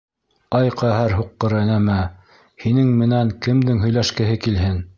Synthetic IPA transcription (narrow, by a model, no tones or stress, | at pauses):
ɑjqæɦæɾɦuqːɤ̆ɾɤnæmæ | hinɘŋmɘ̆næŋkɘ̆md̪ɘŋɦɵ̆jlæʃkɘ̆ɦɘkilɦɘn